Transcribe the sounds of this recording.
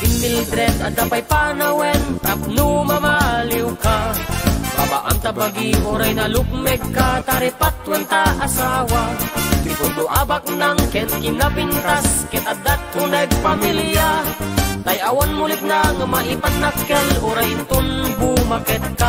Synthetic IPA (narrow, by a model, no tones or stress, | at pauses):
ʔinːild̪ɾɛt̪ad̪apajpanawɛnt̪ap̚numamaliwka | paba̰ʔa̰mt̪abaɡiʔoɾajnalʊk̚mɛɡ̚kat̪aɾɛpat̪̚want̪aʔasawapit̪und̪uʔabak̚laŋkɛnkɪnapint̪askɛnad̪at̪̚kunɛɡ̚pamilja | t̪ajawanmulɪk̪̚naŋamaʔipat̪̚nakːɛlʊɾajnt̪ʊnbumakɛt̪̚ka